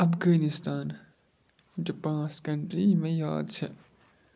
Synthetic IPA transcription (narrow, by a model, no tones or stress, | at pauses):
ɐfɡaːnɪst̪aːn | d͡ʒopãːt͡skɐɳʈɾiːmẽjaːd̪̚t͡ʃʰe